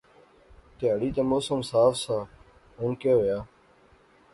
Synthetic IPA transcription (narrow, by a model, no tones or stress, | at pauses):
t̪eəɽiːt̪emoːsəmsaːfsaː | ʊnkeːɦoːjaː